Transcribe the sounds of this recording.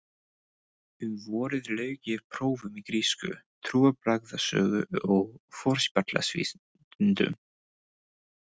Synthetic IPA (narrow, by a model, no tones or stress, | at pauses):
ʏmvɔːɾɪðlœːɥcɪv̥pʰɾoːwvʏmikɾiːskʏ̰t̪ʰɾuːapɾaɣðasœ̰ːɣʏɔɣfɔɾ̥spat̪la̰svḭː | nt̪ʏ̰m